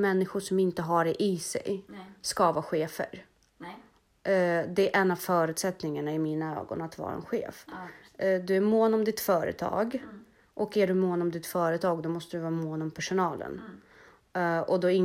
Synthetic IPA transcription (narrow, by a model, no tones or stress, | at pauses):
mɛnːɪɧʊʂɔmɪnt̪əɦaɖɛʔɪsɛ̰jskɑːvaɧeːfə̰ɾ | d̪ɛʔɛnːavfœːɾʉ̟t̪sɛt̪nɪŋaɳaɪmiːnaø̰ːɡɔ̰nat̪vɑ̰ːɾa̰ɛ̰nɧḛːf | d̪ɵæɾmoːnɔmd̪ɪt̪fœːɾə̰t̪ʰɑ̰ːɡ | ʔɔkæɖɵmoːnɔmd̪ɪt̪fœːɾət̪ʰɑːɡd̪ɔmɔst̪əd̪ɵvɑːmoːnɔmpʰæʂʊnɑːlə̰n | ɔd̪ɔɪŋ